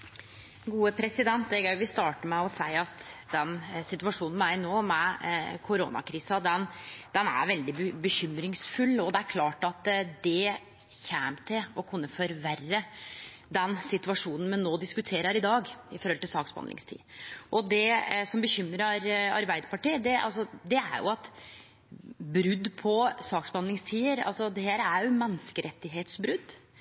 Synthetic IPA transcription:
ɡuːəpʰɾɛsɪd̪ɛnt̪d̪ɛɡœʏʋɪst̪ɑːʈəmɛɔsæɪɑt̪d̪ɛnsɪt̪ʉʋɑʂuːnn̩mæɪnoːmɛkʰʊɾo̰ːnɑ̰kʰɾiːsɑd̪ɛnd̪̥ɛnæ̰ɾʋɛld̪ɪbəçʏmɾɪŋsfʉlːɔd̪ɛæɾkʰlɑːʈɑt̪d̪ɛ | çæːmt̪ʰɪlɔkʰʊnːəfɔɾʋærːə | d̪ɛnsɪt̪ʋɑʂuːnn̩mɛnnoːd̪ɪskʉt̪ʰeːɾəɾɪd̪ɑːɡɪfɔɾhɔlt̪ɪlsɑːksbɑ̰nɪ̰ŋst̪ʰḭːʔɔd̪ɛsɔmbəçʏmɾəɾɑɾbæɪd̪əpɑʈiːəd̪ɛɑ̰lsɔd̪ɛæ̰ɾjʊ̰ɑt̪ | bɾʉd̪pʰɔsɑːksbɑnlɪŋst̪ʰiːəɾɑ̰lsɔd̪ɛɦæːɾəæɾjʊmɛnːskəɾʔɛt̪ːɪɦeːt̪sbɾʉd̪ː

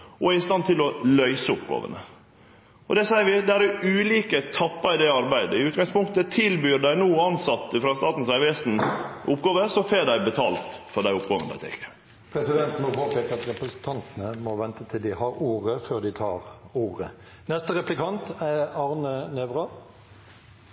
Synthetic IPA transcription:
ɔæɪst̪ɑnt̪ʰɪlɔlœʏsəʊpɡɑ̰ːʋə̰nə | ɔd̪ɛsæɪɾʋɪd̪ɛæɾɛʉːliːkət̪ʰɑpːɑɪd̪ɛɑɾbæɪd̪əɪʉːt̪̚ɡɑŋspʰʊŋkt̪ət̪ʰɪlbyːɾɖæɪnuːɑnsɑt̪ːəfɾɑst̪ɑːt̪n̩sæɪʋeːsnʔʊpːɡɑːʋəsɔfeːɖæɪbɛt̪ʰɑ̰ːlt̪fɔɖæɪʊpɡɑŋənəd̪æ̰ɪt̪ʰɛ̰kːə̥ | pʰɾɛsɪd̪ɛnt̪mɔpoːpɛːkəʁɑt̪ɾɛpɾəsn̩t̪ʰɑnt̪nəmɔʋɛnt̪ət̪ʰɪld̪ɪhɑɾuːʁəføːʁd̪ɪt̪ʰɑ̰ːʁuːʁə | nɛst̪əɾɛplɪkʰɑnt̪æɑʁnəneːʋʁɑ

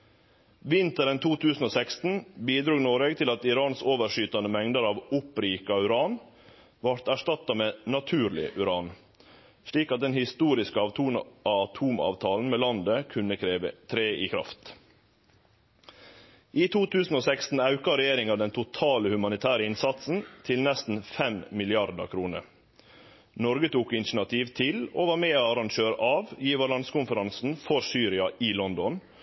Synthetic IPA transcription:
ʋɪnt̪əɾənt̪uːt̪ʰʉːsn̩oːsɛkst̪n̩biːd̪ɾuːnoːɾeːɡt̪ʰɪlɑt̪ɪɾɑːnsoːʋəʂyːt̪ɑnəmɛŋd̪əɾɑːʋʊpɾiːkɑʉɾɑːn | ʋɑɾt̪æʂtɑt̪ɑmeːnɑt̪ʰʉːɾɭɪ̰ʔʉɾɑːn | ʂɭiːkɑt̪̚d̪ɛnhɪst̪uːɾɪskəɑt̪ʰuːt̪ʰuːmɑ̰ːʋt̪ʰɑːln̩meːlɑnd̪əkʰʉnːəkʰɾeːʋət̪ʰɾeːiːkʰɾɑ̰ft̪ | ʔiːt̪ʰuːt̪ʰʉːsn̩oːsɛkst̪n̩ɑʉkɑɾɛjeːɾɪŋɑʋd̪ɛnt̪ʰʊt̪ʰɑːləhʉmɑnɪt̪ʰæːɾəɪnsɑt̪sn̩t̪ʰɪlnɛst̪n̩fɛmmɪlɪɑɾd̪ə̰kʰɾuːnə̰ɾ | nɔɾɡət̪ʰuːkɪnʃnɑt̪ʰiːʋt̪ʰɪloːʋɑːɾmeːoːɑɾɑŋʃøːɾəʔɑːʋjiːʋɑlɑnskʊnfəɾɑnsn̩fɔɾsyːɾɪɑʔɪlɔnd̪ɔn

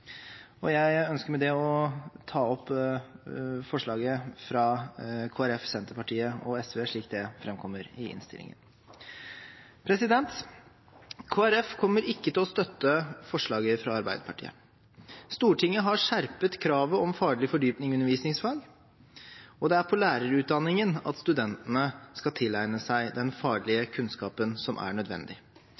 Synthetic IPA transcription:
ɔjæɪœnskəɾmɛd̪ɛɔt̪ʰɑːɔpː | fɔʂɭɑːɡəfɾɑkʰoːæɾɛfsɛnt̪əɾpɑʈʰiːəɔɛsʋeːʂɭiːkt̪̚d̪ɛfɾɛmkʰɔmːəɾɪɪ̰nst̪ɪ̰lɪ̰ŋə̰n | pʰɾɛsɪd̪ɛnt̪ | kʰoːæɾɛfkʰɔmːəɾɪkːət̪ʰɪlɔst̪œt̪ːəfɔʂɭɑːɡəfɾɑɑɾbæɪd̪əpʰɑʈʰḭːə̰ | st̪uːʈʰɪŋːəɦɑʂæɾpət̪kʰɾɑːʋəɔmfɑːɡɭɪfɔɖyːpnɪŋʉnəɾʋiːsnɪŋsfɑːɡ | ɔd̪ɛæɾpʰɔlæːɾəɾʉːt̪̚d̪ɑnːɪŋənɑ̰t̪st̪ʉd̪ɛnt̪ənəskɑt̪ʰɪlːæɪnəsæɪd̪ɛnfɑːɖɭɪəkʰʉnskɑːpənsɔmʔæ̰ɳœd̪ʋɛ̰nd̪ɪ

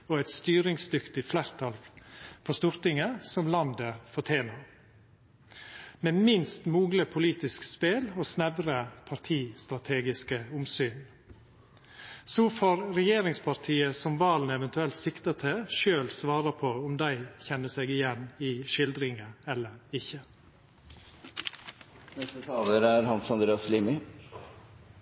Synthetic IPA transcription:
ɔɛt̪st̪yːɾɪŋsd̪ʏkt̪ɪflæɾt̪ʰɑlpʰɔst̪uɾt̪ɪŋəsɔmlɑnd̪əfɔʈʰeːnɑɾ | mɛmɪnst̪muːɡləpʰʊliːt̪ɪskspeːlɔsnɛʋɾəpʰɑɾt̪ʰiːst̪ɾɑt̪ʰeːɡɪskəʊmsyːn | sɔːfoːɾɾɛjeːɾɪŋspʰɑɾt̪ʰiːəsɔmʋɑːln̩ɛʋɛnt̪ʉɛlt̪sɪkt̪ɑt̪ʰɪʃøːlsʋɑːɾɑpʰɔʊmd̪æɪçɛnːəseːɡɪjɛnːɪʃɪld̪ɾɪŋəɛlːəɾɪçə | nɛst̪ət̪ʰɑːləɾæɾhɑnsɑnd̪ɾeːɑsliːmɪ

